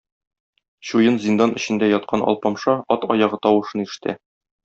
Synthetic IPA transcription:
ɕujɤnzʲind̪ɑnʔɘ̆ɕɘ̆nd̪æjɒt̪̚qʰɑnʔɒ̰lˠpɑmʃɑɒt̪ɒjɑʁɤt̪ɒwɤ̆ʃɤniʃɘ̆t̪æ̰

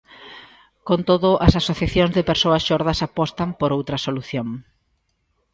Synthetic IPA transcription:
kont̪oðʊʔɐsasoθjaθjoŋzðɪpeɾsoɐsʃoɾðɐsapɔst̪ɐmpoɾowt̪ɾɐsoluθjoŋ

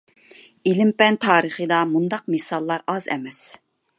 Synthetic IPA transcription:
ilɪmpɛnt̪ʰɑːɾəχəd̪ɑmund̪ɑq̚mɨsɑlˠːɑɾɑzɛ̰mɛs

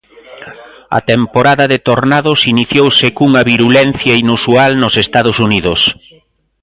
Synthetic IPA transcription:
ɐ̰t̪empoɾaðɐðet̪oɾnaðʊsiniθjowsekuŋɐβiɾulɛnθjɐinusualnʊsest̪aðʊsuniðʊs

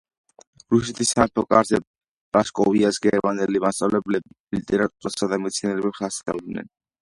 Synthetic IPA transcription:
ɾusɛt̪ʰisːat̪ʰɔkʼaɾzɛ | ɾaskʼɔviasɡɛɾmand̪ɛlimast̪sʼa̰vlɛblɛbi | lit̪ʼɛɾat̪ʼuɾasad̪amɛt̪sʰinɛlɛbɛpsasa̰d̪nɛ̰n

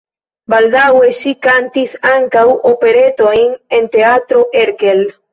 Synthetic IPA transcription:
bald̪awesikant̪iθaŋkawʔopeɾet̪oiŋent̪eat̪ɾoʔeɾkel

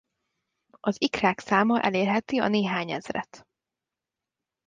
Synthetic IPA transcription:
ɒzikraːksaːmɒʔɛ̰leːrɦɛt̪iɒ̰neːɦaːɲɛzrɛ̰t̪

